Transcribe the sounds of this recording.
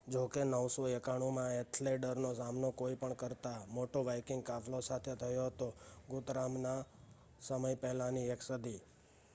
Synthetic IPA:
d͡ʒokenəʋsoekaɽ̃umãet̪ʰleɖəɾnosamnokoipəɳkəɾt̪amoʈoʋajkɪŋɡkafʰlosat̪ʰet̪ʰəjoɦət̪oɡʊt̪ɾamna | səməjpɛɦlãnieksəd̪i

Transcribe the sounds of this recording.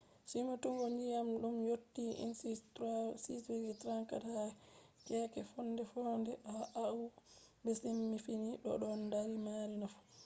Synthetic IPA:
simatuŋɡɔɲd͡ʒijamɗumjotːiḭnsitɾsiseɡitɾaŋkataɛkɛkɛfɔnːdɛfɔndɛaʔau | bɛsemːifiniɗɔ̰ɗɔndaɾimaɾinaf

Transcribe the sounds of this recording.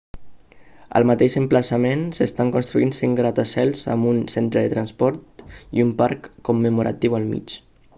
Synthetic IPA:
ə̰lˠmat̪eʃəmplasamensest̪aŋkunst̪ɾuinsiŋɡɾat̪asɛlˠza̰munsent̪ɾəðət̪ɾanspɔɾt̪iumpaɾkːumːəmuɾa̰t̪iwəlˠmḭt͡ʃ

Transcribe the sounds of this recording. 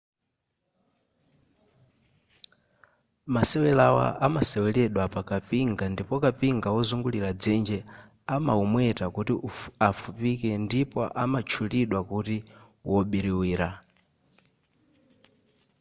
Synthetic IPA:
masɛwɛlawa̰ʔamasɛwɛlɛɗwapakapiŋɡandipɔkapiŋɡawɔzuŋɡuliɾad͡zɛnd͡ʒɛ | ama̰umwɛtakutiafupikɛndipɔ̰ʔa̰mat͡ʃʰuliɗwakuti | wʔɔɓiɾiwiːɾa

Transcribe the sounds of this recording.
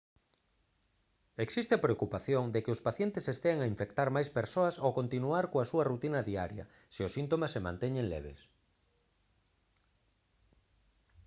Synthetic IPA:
eksist̪ɪapɾeokupaθjoŋd̪ekɪʊspaθjent̪ɪsest̪eaŋaiɱfekt̪aɾmajspeɾsoɐsokont̪inuaɾkoasuɐrut̪inɐðia̰ɾjɐ̰ | siʊsint̪omasːemã̰nt̪eɲeŋlḛβ̞ḛs

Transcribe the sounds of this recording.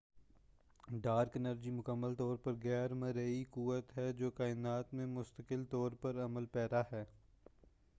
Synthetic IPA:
ɖaːɾkɪnəɾd͡ʒimʊkəmːəlt̪ɔːɾpɐɾɣɛːɾmɐ̃ɾəikuːʋət̪ɦɛd͡ʒoːkaːɪnaːt̪mẽmʊst̪əkɪlt̪ɔːɾpɐɾɐməlpɛːɾaɦɛː

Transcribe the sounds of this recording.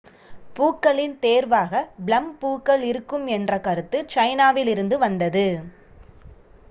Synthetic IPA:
puːkːɐɭɪnt̪eːɾʋaːɣɐblɐmpuːkːɐɭɪɾɯkːɯmɛndrɐkɐɾɯt̪ːɯt͡ʃɐɪnaːʋɪlɪɾɯnd̪ɯʋɐnd̪ɐðɯ

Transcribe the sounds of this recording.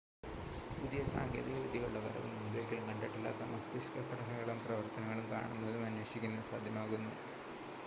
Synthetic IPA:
pud̪ijɐsa̰ːŋɡʱjḛːd̪iɣɐʋid̪ʱijuɭːɐʋɐ̰ɾɐ̰ʋṵud̪eːkʲːɐlnɐɳɖɐʈːilːa̰ːt̪ːɐmɐst̪iskɐpʰːɐʈʰɐnɐɣɐɭumprɐʋɐrt̪ɐnɐŋːɐɭumka̰ːɳunːɐðumɐnːuwɐɕikʲːunːɐsa̰ːd̪ʱjɐmaːɣunːu

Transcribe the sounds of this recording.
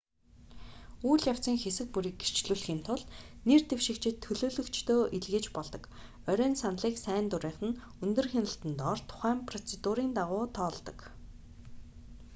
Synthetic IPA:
uːɮjaw̥t͡sə̆ŋxesɘ̆k̚puɾiːk̚er̥t͡ɕɮuːɮxiːnt̪ʰʊɮnert̪ewʃɪ̆kt͡ɕʰɪ̆t̪ʰːɵɮoːɮɵ̆kt͡ɕʰt̪oːʔiɮɣɘ̆t͡ɕpɔɮt̪ɞ̆k | œɾʲœːnsanɮiːksæːnt̪ʊɾiːɴχɘ̆n | ɵnt̪ɵ̆rxenə̆ɬt̪ɘ̆nt̪ɔrt̪ʰʊ̥χæːmpʰrɔt͡sʰet̪uɾiːnt̪aʁʊːt̪ʰɔːɮt̪ɞ̆k

